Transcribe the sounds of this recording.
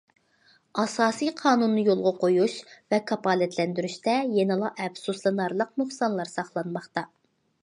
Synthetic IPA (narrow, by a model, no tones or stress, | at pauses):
ɑsɑːsijqʰɑːnunːɨjolˠʁɑqʰojuʃvɛkʰɑpɑːlɛt̪ʰlɛnd̪yɾyʃt̪ɛjenɨlˠɑʔɛbsuslˠɨnɑɾlˠəq̚nuχsɑnlˠɑɾsɑχlˠɑnmɑχt̪ɑ